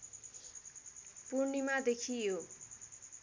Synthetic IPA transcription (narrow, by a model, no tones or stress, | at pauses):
purnimad̪ekʰijo